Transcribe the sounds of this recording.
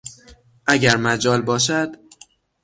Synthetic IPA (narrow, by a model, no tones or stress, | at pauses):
ʔæɟæɾmæd͡ʒɒːlbɒːʃ̬æd̪̥